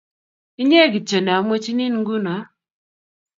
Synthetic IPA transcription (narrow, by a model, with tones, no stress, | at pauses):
i˦ɲe˦˨ɡi˨t͡ʃə˨n˨a˨˦m˦e˦t͡ʃi˦ni˦n˨ŋ̩˦ɡu˦n˨a˨˦